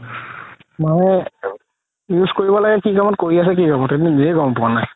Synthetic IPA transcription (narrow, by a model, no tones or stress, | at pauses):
mɔ | juskoɹibɔlaɡɛkikamɔtkoɹias̬ɛkikamɔteiniekɔmpuanaj